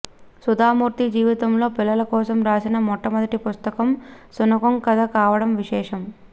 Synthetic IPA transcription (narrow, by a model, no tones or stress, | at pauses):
sud̪aːmuːɾt̪id͡ʒiːʋit̪ɐmlo̞ːpilːɐlɐkɔːsɐmɾaːsinɐmɔʈːɐmɐd̪ɐʈipust̪ɐkɐmsunɐkɐmkɐd̪ɐkaːʋɐɽɐmʋiʃɛːʂɐm